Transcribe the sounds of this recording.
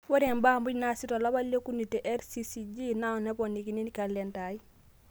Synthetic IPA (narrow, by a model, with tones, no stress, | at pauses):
wɔ˦ɾe˨mbaː˦mbu˦ɟnasi˦tɔ˨la˦ba˦lːe˦ku˦ni˨te˨ʔɛ˦ɾsisid͡ʒi˦na˦˨nɛ˦pɔnːi˨ki˨ni˦nikalɛnta˨i˦